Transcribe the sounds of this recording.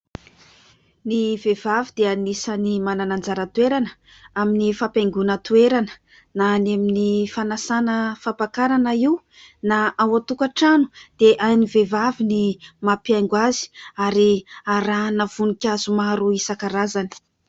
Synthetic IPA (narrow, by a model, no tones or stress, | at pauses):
nivevavid̪eanisanimananand͡zaɾət̪ueɾanə | aminifapʲajŋɡunət̪ueɾanə̥ | nanaminifanasanəfapakaɾanəiw | naʔawat̪ukaʈ͡ʂanu̥d̪̥eʔajnivevavinimapjajŋɡwazi̥aɾiaɾanav̥unikʲazumaɾuisakaɾazani̥